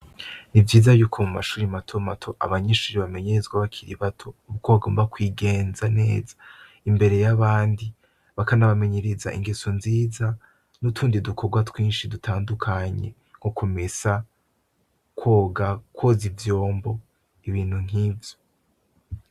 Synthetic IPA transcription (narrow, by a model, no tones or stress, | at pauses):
nivjiːzajuːkʰomumaʃuːɾimatʰo̞matʰo̞ʔa̰βaɲeʃuːɾiβame̞ɲeɾezɡwaβakʰiɾiβatʰouβɡaβaɡoːmbakwiɡe̞ːnzane̞̰ːzḁ | imbe̞ɾe̞jaβaːndi | βakanaβame̞ɲe̞ɾeza̰ʔḭŋɡesonziːza | nutʰuːndidukʰo̞ɡwatwiːnʃidutʰaːndukʰaɲe̞̰ | ŋ̥hokʰume̞sa | kʰoːɡakwo̞zivjo̞ːmbo̞ | iβiːn̥huŋ̥iːvjo